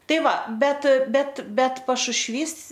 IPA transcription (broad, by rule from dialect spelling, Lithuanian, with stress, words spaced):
ˈtɐɪ ˈʋɐ ˈbʲɛt ˈbʲɛt ˈbʲɛt pɐʃʊʃʲˈʋʲiːs